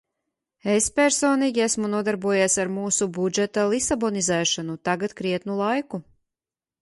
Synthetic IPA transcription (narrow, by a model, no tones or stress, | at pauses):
espʲɛɾsoːniːɡʲiæsmunuɔd̪aɾbuɔjaːsaɾmuːsubud͡ʒɛt̪alˠisabɔnizɛːʃanut̪aɡat̪kɾiɛt̪nulˠajku